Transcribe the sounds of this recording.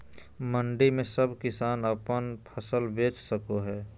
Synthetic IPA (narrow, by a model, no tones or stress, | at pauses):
məɳɖimẽsəbʱkɪsaːnəpənpʰəsəlbeːt͡ʃsəkoɦɛː